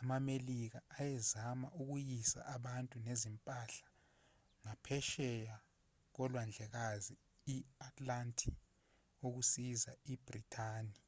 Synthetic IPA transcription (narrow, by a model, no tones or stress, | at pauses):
amamelik̬aːjɛzamaʔuk̬ujisa̰ʔaɓantʼunezimpʼaɬḁ | ŋapʰɛʃɛja | k̬ɔlwand͡ɮʱɛk̬azi | iatʰʼlantʼʰi | ok̬usizaib̥ritʰaːni